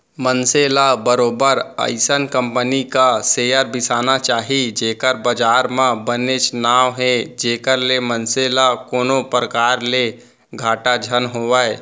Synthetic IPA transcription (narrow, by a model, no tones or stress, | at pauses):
mənseːlabəɾoːbəɾə̰ɪsənkə̃mpənikaseːjəɾbɪsaːnat͡ʃaːɦid͡ʒeːkəɾbəd͡ʒaːɾmãbənet͡ʃnaːʋɦɛd͡ʒeːkəɾlemənseːlakoːnõpɾəkaːɾle | ɡʱaːʈad͡ʒʱənɦoːʋaːe